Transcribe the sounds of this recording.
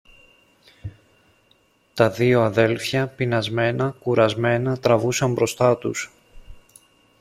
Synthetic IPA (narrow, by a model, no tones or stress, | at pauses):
t̪ɐðio̞ɐðe̞lfçɐpinɐzme̞nɐkuɾɐzme̞nɐt̪ɾɐvusɐmbɾo̞st̪ɐt̪ṵs